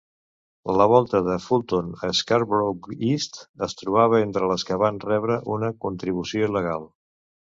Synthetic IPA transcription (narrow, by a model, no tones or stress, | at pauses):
ləβ̞ɔlˠt̪əðəfulˠt̪onəskaɾbɾokist̪əst̪ɾuβ̞aβ̞əent̪ɾələskəβanrɛβɾəʔunəkunt̪ɾiβ̞usioiləɣ̞alˠ